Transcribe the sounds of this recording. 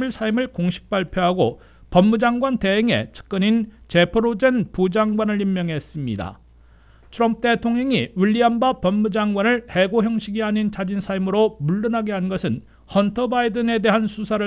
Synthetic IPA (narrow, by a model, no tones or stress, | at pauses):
ɯɭsʰaimɯɭkoŋɕʰi̥k̚p͈aɭpʰjoɦaɡo̰ | pʌmːud͡ʑaŋɡwante̞ɦeŋe̞̰t͡ɕʰɯ̥k̚k͈ɯnint͡ɕe̞pʰɯɾod͡ʑenpud͡ʑaŋɡwanɯɭimːjʌŋɦe̞s͈ɯmɲida̰ | tʰɯɾʌmpʰɯ̥t͈etʰoŋɲʌŋiuʎːiambapʌmːud͡ʑaŋɡwanɯɭhe̞ɡoɦjʌŋɕʰiɡiɦaɲint͡ɕad͡ʑinsʰaimɯɾomuɭːɯnɦaɡeɦannɡʌsʰɯn | hʌntʰʌbaidɯne̞de̞ɦansʰusʰaɾɯ